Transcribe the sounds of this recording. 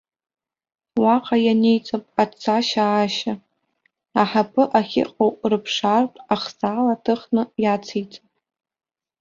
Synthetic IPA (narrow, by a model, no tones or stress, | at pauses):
waqʼajanejt͡sʼapʼat͡sʰaʃaːʃa | aħapʰɨʔaχʲɪ̰qʼowʼrɨpʰʂartʼaχsaːlatʰɨχnɨjat͡sʰejt͡sʼapʼ